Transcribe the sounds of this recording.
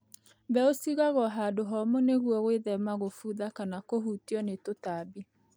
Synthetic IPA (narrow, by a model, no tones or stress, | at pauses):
bɛosiɣaɣɔɦaːdoɦɔmoneɣuɔɣweðɛmaɣofuðakanakoɦutiɔnetotaːbi